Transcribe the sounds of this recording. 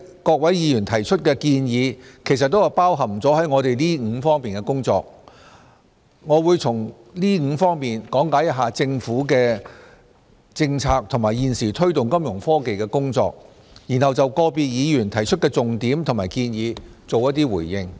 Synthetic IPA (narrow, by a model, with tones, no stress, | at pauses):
kɔː˧k̚wɐ˨˥jiː˨˧jyː˨˩nt̪ʰɐ˨˩jt͡ʃʰɵ˥t̚kɛː˧kiː˧njiː˨˧kʰe˨˩js̬ɐ˨t̚t̪ːo˥wɐ˨˩wpaː˥wɦɐ˨mt͡sɔː˨˥ɦɐ˨˥jŋɔː˨˧t̪e˨jliː˥ŋ̩˨˧˥fɔː˥ŋpiː˨nkɛ˧kʊ˥ŋt͡sɔ̰ː˧k̚ | ŋɔː˨˧wuː˨˧jt͡sʰʊ˨˩ŋ | liː˥ŋ̩˨˧fɔː˥ŋmiː˨nkɔː˨˥ŋkaː˨˥jɐ˥t̚ɦaː˨t͡sɪ˧ŋfuː˨˥kɛː˧ | t͡sɪ˧ŋt͡sʰaː˧k̚t̪ʰʊ˨˩ŋmaː˨˩jjiː˨nsiː˨˩t̪ʰɵ˥ɥt̪ʊ˨ŋkɐ˥mjʊ˨˩ŋfɔː˥ke˨jkɛː˧kʊ˥ŋt͡sɔ̰ː˧k̚ | jiː˨˩nhɐ˨wt͡sɐ˨wkɔː˧piː˧t̚jiː˨˧jyː˨˩nt̪ʰɐ˨˩jt͡ʃʰɵ˥t̚kɛː˧t͡sʊ˨ŋt̪iː˨˥mt̪ʰʊ˨˩maː˨˩jkiː˧njiː˨˧t͡so˨wjɐ˥t̚t̪iː˥wuː˨˩jjɪ˧ŋ